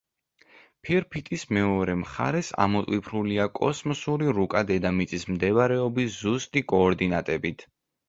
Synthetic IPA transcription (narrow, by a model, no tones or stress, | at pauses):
pʰiɾpʰit̪ʼismɛɔɾɛmχa̰ɾɛsa̰mɔt̪ʼwipʰɾuliakʼɔ̰smɔsuɾiɾukʼad̪ɛd̪amit̪sʼismd̪ɛvaɾɛɔbiszust̪ʼikʼɔːɾd̪inat̪ʼɛbit̪ʰ